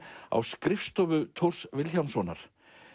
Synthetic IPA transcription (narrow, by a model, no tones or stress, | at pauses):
a̰wskɾɪfst̪ɔvʏt̪ʰor̥svɪlçawnsɔːna̰ɾ̥